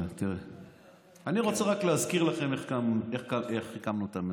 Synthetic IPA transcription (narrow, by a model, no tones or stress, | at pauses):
t̪iʁe | aniʁo̞t͡seʁakleazkiʁlaχe̞meχkameχkaeχikamnuetame